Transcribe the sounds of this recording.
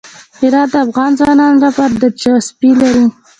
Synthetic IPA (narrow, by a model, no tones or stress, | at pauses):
hɪɾɑt̪̚d̪əafɣɑnzwɑnɑnɾapaɾd̪əd͡ʒaspilaɾi